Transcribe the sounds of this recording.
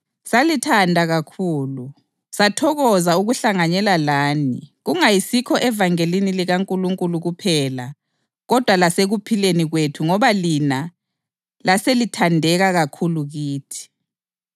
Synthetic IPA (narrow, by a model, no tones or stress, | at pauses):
salitʰandʱaɣakʰuːlu | satʰɔɣɔzauɣuɬaŋaɲɛlalaːniɣuŋajisikʰɔʔɛvaŋeliniliɣaŋkʼuluŋkʼuluɣupʰɛla̰ | ɣɔd̥ʱwalaseɣupʰileniɣwetʰuŋɔβalina | laselitʰandʱɛɣaɣakʰuluɣiːtʰi̥